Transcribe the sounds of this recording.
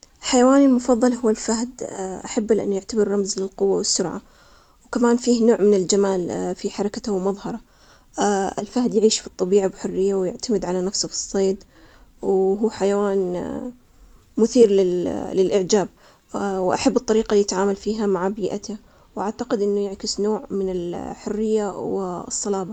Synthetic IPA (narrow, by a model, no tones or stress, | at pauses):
lħajawaːnɪlmʊfɑðˤːɑlhʊwːalfahd̪ʔaħabːalʔa̰nːjɪʕt̪abɪɾːɑmzlɪlqʊwːawɪsːʊɾʕa̰ | wkamaːnfiːhnoːʕmɪnɪld͡ʒamaːlfiħɑɾˤɑkat̪awmɑðˤhɑɾˤɑ | ɪ̰lfahd̪jaʕiːʃfit̪ˤːɑbiːʕabħʊrːɪjːawjɪʕt̪amɪd̪ʕalanafsʊfi̥sˤːeːd̪ | wɦuːħajawaːn | mʊθiːɾlɪlɪlʔɪʕd͡ʒaːb̚ | wʔaħabːɨt̪ˤːɑɾiːqaljɪt̪ʕaːmalfiːɦamaʕbiːʔat̪a | wʔaʕt̪aqɪd̪ʔɪnːʊjɪʕkɪsnoːʕmɪnɪlħʊrːɪjːawɪsˤːɑlɑːbɑ